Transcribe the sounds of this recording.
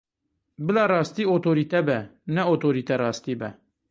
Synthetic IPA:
bɨlɑːrɑːst̪iːoːt̪ʰoːɾiːt̪ɛbɛnɛoːt̪ʰoːɾiːt̪ɛrɑːst̪iːbɛ

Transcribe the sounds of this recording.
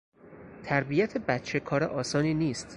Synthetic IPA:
t̪ʰæɾbijæt̪ʰebæt̪t͡ʃʰekʰɒːɾeʔɒːsɒːniːniːst̪

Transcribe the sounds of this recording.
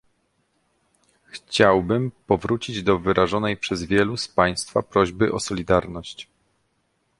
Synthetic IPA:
xt͡ɕawbɘmpɔvɾut͡ɕid͡ʑd̪ɔvɘɾʔaʐɔnɛjpʂɛzvʲjɛluspaj̃st̪fa̰pɾɔʑbɘʔɔsɔlʲid̪aɾnɔɕt͡ɕ

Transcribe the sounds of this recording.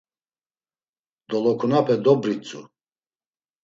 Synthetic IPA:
d̪̥ɔlɔkʰunapʰɛd̪ɔbɾit͡sʼṵ

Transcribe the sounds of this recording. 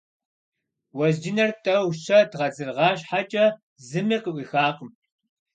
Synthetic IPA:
wɐzd͡ʒɪnɐrtʼɐwɕɐdʁɐd͡zɨrʁɑːɕħat͡ʃʼɐ | zɨmiːqəʔʷixaːqəm

